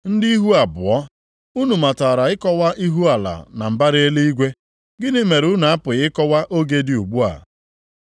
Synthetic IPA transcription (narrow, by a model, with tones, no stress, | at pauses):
n̩˦dɪ˦i˦ɦu˦a˨bʊ˨ɔ˦ | u˦nu˨ma˨ta˨ɾa˨ɪ˦kɔ˦wa˦ʔi˦ɦu˦a˨la̰˨na˨m̩˨ba˦ɾe˦le˦i˦ɡʷe˦ | ɡɪ˦nɪ˦me˨ɾu˨˦na˨a˦pʊ˨ɣɪ˦kɔ˦wa˦ʔo˦ɡe˦dɪ˦˨u˨ɡ͡bu˦a̰˨